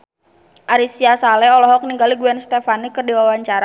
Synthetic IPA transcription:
ʔaɾisiasalɛɔlɔɦɔk̚niŋɡaliɡuɛnst̪efanikərdiwawaɲt͡ʃaɾa

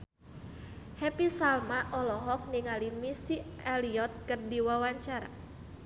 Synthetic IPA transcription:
hɛpisalmaʔɔlɔɦɔk̚niŋalimisiɛliɔt̪̚kərdiwawaɲt͡ʃaɾa̰

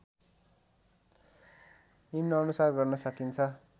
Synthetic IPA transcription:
nimnʌːnusarɡʌrnʌsʌkint͡sʰʌ

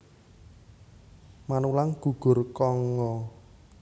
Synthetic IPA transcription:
manulaŋɡ̥uɡ̥ʊ̤rkɔŋɔ

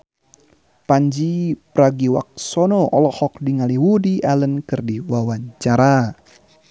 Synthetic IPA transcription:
paɲd͡ʒipɾaɡiwa̰k̚sɔnɔʔɔlɔhɔk̚diŋaliwudialənkɨrdiwawaɲt͡ʃaɾa

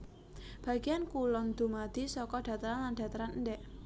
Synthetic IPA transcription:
b̥ä̤ɡ̥ijankulɔnd̪̥ṳmad̪̥i̤sɔkɔɖ̥ä̤t̪əɾanland̥ä̤t̪əɾanəndɛʔ

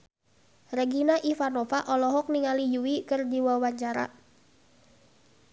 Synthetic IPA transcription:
rɛɡinaʔifanɔfaʔɔlɔɦɔk̚niŋalijuwikɨrdiwawaɲt͡ʃaɾa̰

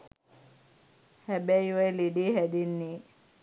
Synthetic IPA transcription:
hæbæjʋajleɖeːɦæd̪enːe

